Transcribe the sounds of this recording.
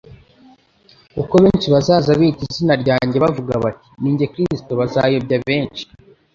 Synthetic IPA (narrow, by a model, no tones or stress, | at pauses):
kuko̞βe̞ːnt͡ʃiβazaːzaβiːtizinaɾɟaːɲɟe̞βavuɡa̰βatiniːɲɟe̞kɾisto̞βazaːjobɟaβe̞ːnt͡ʃi̥